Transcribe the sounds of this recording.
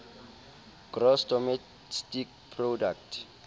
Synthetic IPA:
ɡ̥rɔstɔmɛ | stik | pʰrodaktʰ

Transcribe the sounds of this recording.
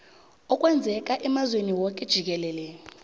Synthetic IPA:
ɔkʼwɛnd͡zʱɛk̬ʼaʔɛmazweniwɔkʼɛd̥ʒ̥ʱik̬ɛlɛːlɛ

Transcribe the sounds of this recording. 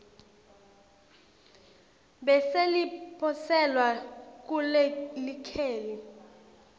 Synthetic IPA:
ɓɛselipʰɔsɛlwak̬ʼulɛlikʰeːli

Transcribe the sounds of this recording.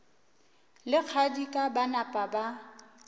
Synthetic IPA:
lɪq͡χʰadikʼabanapʼaba

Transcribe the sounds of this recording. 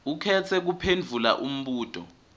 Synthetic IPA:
ukʰɛt͡sʰɛk̬upʰend͡vʱula̰ʔum̩ɓuːtʼɔ̰

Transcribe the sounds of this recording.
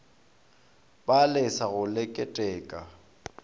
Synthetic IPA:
balɪsaɣʊlɪkʼɛtʼɛːkʼa

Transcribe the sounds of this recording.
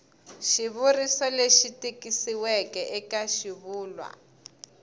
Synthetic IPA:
ʃiβurisɔleʃitikisiwɛkɛʔɛkaʃiβuːlwa̰

